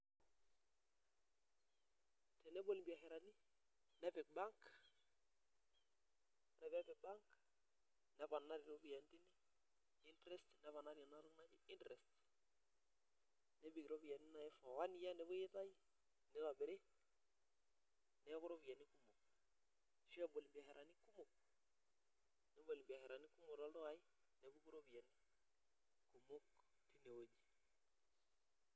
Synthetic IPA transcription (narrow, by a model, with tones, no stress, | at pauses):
tɛ˨nɛ˦bo˦li˨bi˨a˨hɛ˨ɾa˨ni˦ | nɛ˦pɪ˨k̚ba˦ŋk | ɾɛ˨ba˦pɪ˨k̚ba˦ŋk | nɛ˦pa˨na˦ɾɪ˨ɾo˦bi˨ja˨ntɪ˦nɪ˦ | ɪ˦ntɾɛ˦stnɛ˨˦pa˨na˦ɾja˨na˦ɾʊ˦ŋa˦d͡ʒɪ˦ɪ˦ntɾɛ˨st | nɛ˦bɪ˨kɾo˦bi˨ja˨nɪ˦na˨ɛ˦fɔ˨wa˦ni˦ja˦nɛ˨˦bo˦je˦ta˦i˦ | nɛ˦ba˨bɪ˨ɾe˦ | nɛ˨˦kʊ˦ɾo˦ba˨nɪ˦ku˦mʊ˨k̚ | ʃi˦ɛ˦˨bo˨lɪ˨mbi˨a˨hɛ˨ɾʔa˨ni˦ku˦mo˨k̚ | nɛ˨˦bo˨lɪ˨mbi˨a˨hɛ˨ɾa˨ni˦kʊ˦mo˨ɾɔ˨˦lto˦a˨ɪ˦ | nɛ˨bu˦ku˦ɾo˦bi˨jɛ˨ni˦ | ku˨mo˦k | ti˦ne˨wo˦di˨